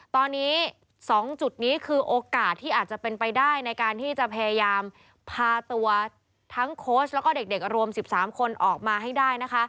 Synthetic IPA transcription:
t̪ɔː˧nːiː˦˥ | sɔː˩˦ŋt͡ɕu˨˩t̪̚niː˦˥kʰɯː˧ʔoː˧kaː˨˩t̪ʰːiː˥˩ʔaː˨˩t̪̚t͡ɕa˨˩pe˧npa˧jdaː˥˩jna˧jkaː˧nt̪ʰiː˥˩t͡ɕa˨˩pʰa˧ja˧jaː˧m | pʰaː˧t̪u˧ɐ | t̪ʰa˦˥ŋkʰoː˦˥s̚lɛ˦˥wkɔː˥˩de˨˩k̚de˨˩k̚ɾu˧əmsi˨˩p̚saː˩˦mkʰo˧nʔɔː˨˩k̚maː˧ɦa˥˩jdaː˥˩jna˦˥kʰa˦˥ʔ

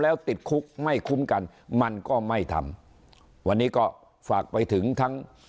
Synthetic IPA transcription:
lɛː˦˥wt̪i˨˩t̪̚kʰu˦˥k̚ma˥˩jkʰu˦˥mka˧n | ma˧nkɔː˥˩ma˥˩jt̪ʰa̰˧m | wa˧nːiː˦˥kɔː˥˩ | faː˨˩k̚pa˧jt̪ʰɯ˩˦ŋt̪ʰa˦˥ŋ

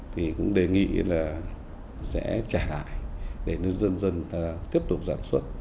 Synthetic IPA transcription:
t̪ʰi˨˩kʊ̰˧˥ŋ͡mɗe˨˩ŋḭ˧˨laː˨˩ | sɛ̰˧˥t͡ɕaː˧˩jla̰ː˧˨jɗe˧˩nə˧zə˧nzə˧nta˧t̪i˦˥əp̚t̪ʊ˨˩k͡p̚saː˧˩nswə˦˥t̚

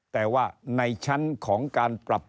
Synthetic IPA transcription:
t̪ɛː˨˩waː˥˩na˧jt͡ɕʰa˦˥nkʰɔː˩˦ŋkaː˧npɾa˨˩p̚

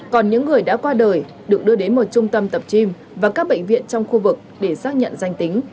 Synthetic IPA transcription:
kɔ˨˩nɲɨ̰˧˥ŋːɨ˨˩əjɗa̰ː˧˥kwaː˧ɗəː˨˩j | ɗɨ˨˩ək̚ɗɨ˧əɗe˨˦nmo˨˩t̚t͡ɕʊ˧ŋ͡mt̪ə˧mt̪ə˨˩p̚t͡ɕi˧m | vaː˨˩kaː˦˥k̚ɓə̰˧˨jŋ̟vḭ˧˨ənt͡ɕɔ˧wŋ͡mxu˧vɨ˨˩k̚ɗe˧˩saː˦˥k̚ɲə̰˧˨nza˧jŋt̪ï˨˦ŋ̟

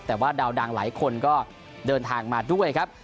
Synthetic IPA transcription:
t̪ɛː˨˩waː˥˩daː˧wda˧ŋla̰ː˩˦jkʰo˧nkɔː˥˩ | dɤː˧nt̪ʰaː˧ŋmaː˧du˥˩əjkʰa˦˥p̚

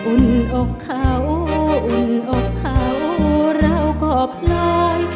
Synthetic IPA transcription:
ʔu˧˩nʔo˧kʰːa˧˩wʔu˨˧˩nʔo˧kʰːa˧˩wɾa˧˩˨wkɔː˧˩pʰlɔː˧j

